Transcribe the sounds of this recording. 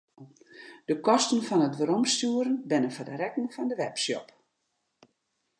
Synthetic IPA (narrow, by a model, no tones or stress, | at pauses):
d̥əkɔstənfɔnətʋəɾɔmstuəɾənbɪnəfədərɛkəŋfɔndəʋɛpsjɔ̰p